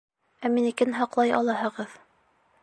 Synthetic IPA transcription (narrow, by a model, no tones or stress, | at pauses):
æminikɘnɦɑqlˠɑjɑ̰lˠɑhɤ̆ʁɤð